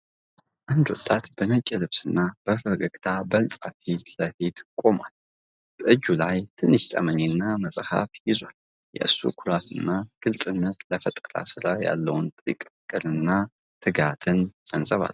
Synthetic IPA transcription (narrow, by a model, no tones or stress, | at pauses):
ʔand̪wɔt̪ʼːat̪bənət͡ʃʼːɛlɨβsɨnːab̥əfəɡʼəkʼt̪ʰabəlt͡sʼafit̪ləfet̪kʼo̞ma̰l | b̥əʔɨd͡ʒːulajt̪ʰɨnːɨʃt̪ʼə̰məɲenːaməsʼha̰fjɪzwal | jɛ̰ʔɨsṵkʰuɾat̪ʰɨnːaɡ̥ɨlt͡sʼɨnːət̪ləfət̪ʼəɾa̰sɨɾaja̰lːəwnt̪ʼḭkʼkʼɨlɨnːa | t̪ʰɨɡat̪ʰɨnt̪ʰənt͡sʼəβa̰l